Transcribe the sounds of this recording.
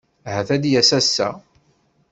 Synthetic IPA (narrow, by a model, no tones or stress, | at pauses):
ɦæθæd̪jæsæsːæ̰